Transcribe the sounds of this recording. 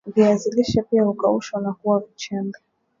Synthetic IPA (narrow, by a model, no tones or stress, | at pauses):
viaziliʃapiahukauʃwanakuwavit͡ʃaŋɡa